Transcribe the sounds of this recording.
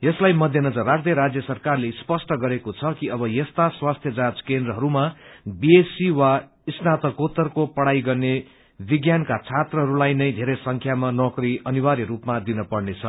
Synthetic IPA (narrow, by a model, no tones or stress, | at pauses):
jʌslajmʌd̪ʱjenʌd͡zʌrːad͡zjʌɾad͡zjʌsʌrkarlespʌsʈʌɡʌɾekot͡sʰʌkiʌbʌjest̪aswast̪ʰjʌd͡zad͡zkend̪rʌɦʌɾumabiesiwa | isnat̪ʌkot̪ʌrkopʌɽajɡʌrne | biɡjankat͡sʰat̪rʌɦʌɾulajnʌjd̪ʱeɾʌjsʌŋkʰjamanʌkriʌniwaɾiɾupmad̪inʌpʌɽnet͡sʰʌ